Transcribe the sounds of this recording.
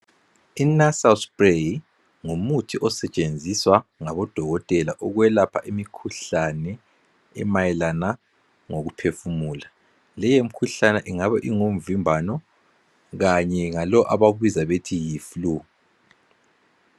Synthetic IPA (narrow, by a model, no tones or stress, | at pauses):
inasalsbrej | ŋumutʰiʔɔsɛt͡ʃʼend͡zʱiswaŋaβɔd̥ʱɔɣɔtʼɛlaʔɔɣwɛlapʰaʔimikʰuɬanɛ | ɛ̰majɛlana | ŋoɣupʰefumuːla | lɛjemikʰuɬanɛʔiŋaβaʔiŋom̩vimbʱanɔ | ɣaɲɛŋalɔʔaβaɣwizaβetʰijiːflu